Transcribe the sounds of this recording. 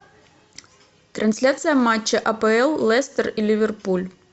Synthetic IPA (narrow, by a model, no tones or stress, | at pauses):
t̪ɾɐnsʲlʲat̪sɨjəmat͡ɕːɪʔɐpɛɛlˠːɛst̪ərilʲivʲɪrpulʲ